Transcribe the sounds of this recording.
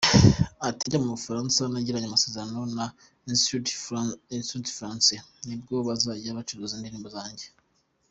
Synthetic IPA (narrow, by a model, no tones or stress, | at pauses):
atiɲɟamumufaɾaːnsanaɟiɾaɲamase̞ːzeɾano̞na | isu | isutfɾansenib̚ɡoβazaːɟaβat͡ʃuɾuziːndiɾiːmbuzaːɲɟe̞